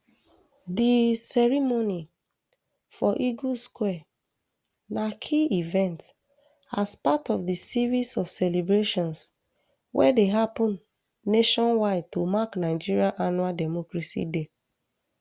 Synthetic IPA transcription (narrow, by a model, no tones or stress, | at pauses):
disɛɹimoni | fɔʔiɡuskwɛ | nakʰiivɛ̃nt | aspatɔfdisivisɔfsɛlebɹeʃɔ̃ns | wʔɛ̰deɦapɔ̃nː | eʃɔ̃nwaɪd̚tomaknaɪd͡ʒiɹiaʔanualdɛmɔkɹasḭde